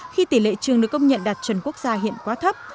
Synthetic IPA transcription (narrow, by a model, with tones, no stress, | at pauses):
xi˧t̪i˧˩lḛ˧˨t͡ɕɨ˨˩əŋɗɨ˨˩əkːə˧wŋ͡mɲə̰˧˨nɗa˨˩t̚t͡ɕə˨˩nku˦˥ək̚zaː˧ɦḭ˧˨ənkwaː˨˦t̪ʰə˦˥p̚